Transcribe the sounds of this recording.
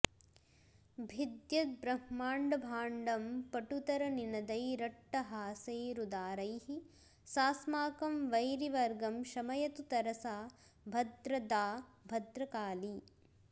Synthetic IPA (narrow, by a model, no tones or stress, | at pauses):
bʱid̪jɐt̪̚bɾɐhmaːɳɖɐbʱaːɳɖɐmpɐʈut̪ɐɾɐninɐd̪ɐjɾɐʈːɐɦaːseːɾud̪aːɾɐjhi | saːsmaːkɐmʋɐjɾiʋɐɾɡɐmʃɐmɐjɐt̪ut̪ɐɾɐsaː | bʱɐd̪ɾɐd̪aːbʱɐd̪ɾɐkaːli